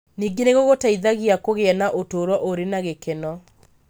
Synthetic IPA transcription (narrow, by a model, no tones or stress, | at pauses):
niːɡeneɣoɣotaiðaɣiakoɣeɛnaʔotoːɾwɔʔoɾenaɣekenɔ